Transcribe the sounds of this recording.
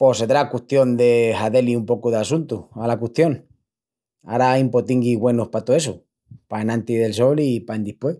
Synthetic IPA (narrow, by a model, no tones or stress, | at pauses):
poseðɾakwuht̪jo̞nd̪e̞xaðe̞liumpo̞kuð̞easunt̪ualakut̪jo̞ŋ | a̰ɾajumpot̪iŋɡiɣwe̞nohpat̪oeso | paenãnt̪iðe̞lso̞lipaend̪ihpwe